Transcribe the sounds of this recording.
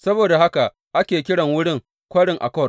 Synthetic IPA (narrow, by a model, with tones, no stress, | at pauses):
sɐ˦boː˨da˨ha˦ka˨ʔ | ʔa˦kʲeː˨k̬ʲɪ˦ɽɐ˨ŋwʊ˦ɽɪ˦˨ŋ | kʷɐ˦ɽɪ˨ŋʔa̰˨kɔ˦˨r